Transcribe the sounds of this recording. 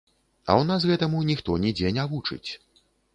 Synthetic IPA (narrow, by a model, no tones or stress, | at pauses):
ɐ̰wnasɣɛt̪ɐmunʲixt̪ɔnʲid͡zʲenʲavut͡ʂɨ̰t͡sʲ